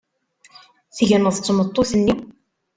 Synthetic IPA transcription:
θʝənəðˤt͡sːmət̪ˤːoθənːi

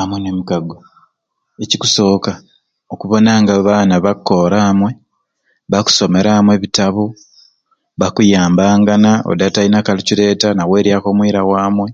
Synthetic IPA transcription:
amwenemukaɡo | ecikuso̞ːka | okuβo̞naːŋɡaβaːnaβakʰːo̞ːɾaːmwe̞ | βaku̥so̞me̞ɾamweβitaβu | βakujaːmbaːŋɡanao̰datainakalicile̞ːtanawe̞ːɾjako̞ːmwiːɾawaːmwe̞

